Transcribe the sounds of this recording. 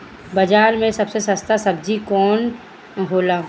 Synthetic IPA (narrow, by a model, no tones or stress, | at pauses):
bɐd͡ʒaːɾmẽsɐbsesəst̪asɐb̚d͡ʒikɔːn | ɦoːlaː